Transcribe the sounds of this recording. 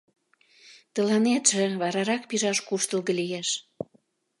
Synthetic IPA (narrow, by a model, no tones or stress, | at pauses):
t̪ə̆lɑnet̪ʒĕβɑɾɑɾɑk̚piʒɑʃkuʃt̪ə̆lɣə̆lijeʃ